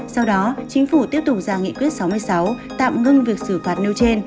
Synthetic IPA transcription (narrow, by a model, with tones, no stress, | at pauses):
sa˧wɗɔ˨˦t͡ɕï˨˦ŋ̟fu˧˩t̪i˦˥əp̚t̪ʊ˨˩k͡p̚zaː˧˩ŋḭ˧˨kwi˦˥ət̚sa˨˦wmɨ˧əjsa˨˦w | t̪a̰ː˧˨mŋɨ˧ŋvi˨˩ək̚sɨ˧˩fwaː˨˩t̚ni˧wt͡ɕe˧n